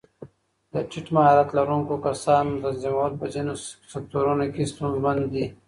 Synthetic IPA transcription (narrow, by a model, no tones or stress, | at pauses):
d̪ət͡ʃiʈmaɦɑɾat̪laɾuŋkokasɑːnd̪əzimawat̪̚pəzinosek̚t̪oɾunokest̪unzmand̪ːi